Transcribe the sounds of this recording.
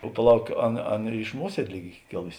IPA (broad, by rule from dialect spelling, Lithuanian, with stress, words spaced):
oː pɐˈlˠɐʊk ˈɑːˌnɐ ˈɑːˌnɐ ɪʃ ˈmuɔsʲiɛdʲeː ˈlʲiːk ˈiː ˈkʲeːlˠʊsʲɪ